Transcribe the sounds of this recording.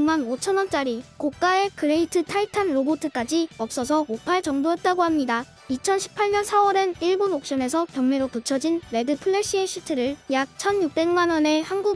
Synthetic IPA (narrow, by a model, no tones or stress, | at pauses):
manot͡ɕʰʌnwʌnt͡ɕ͈aɾikok̚k͈ae̞kɯɾeitʰɯtʰaitʰanɾobotʰɯk͈ad͡ʑiʌp̚s͈ʌs̬ʰʌkok͈aet͡ɕʌŋdoɦet̚t͈aɡoɦamɲida | it͡ɕʰʌnɕʰi̥pʰːaɭɲʌnsʰawʌɾɯniɭbonok̚ɕ͈ʌne̞sʰʌkjʌŋmeɾotot͡ɕʰʌd͡ʑinːe̞dɯpʰɯɭːeɕ͈ieɕ͈ʰitʰɯɾɯɭjak̚t͡ɕʰʌnjuk̚t͈e̞nmanwʌne̞hanɡu